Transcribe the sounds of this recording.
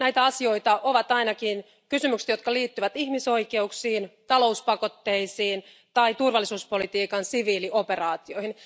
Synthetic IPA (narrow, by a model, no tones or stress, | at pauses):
næit̪æɑsio̞it̪ɑʔoʋɑt̪ɑinɑkin | kysymykse̥t̪jo̞t̪̚kɑliːt̪ːyʋæt̪ihmiso̞ike̞uksiːnt̪ɑlo̞uspɑko̞t̪ːeisiːn | t̪ɑit̪urʋɑlːˑisuːspo̞lit̪iːkɑnsiʋiːliʔope̞rɑːt̪io̞hin